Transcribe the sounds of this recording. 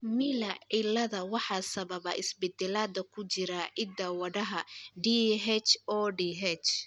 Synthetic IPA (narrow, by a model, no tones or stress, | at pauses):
milɐɪlɐðɐwɑħɑːsɐβɐβɐʔɪsbɛd̪ɛlaːd̪ɐkʰʊt͡ʃɪɾɐʔɪd̪ɐwɐɽɐɦɐɖiɦɛt͡ʃɔːɖiɦɛt͡ʃ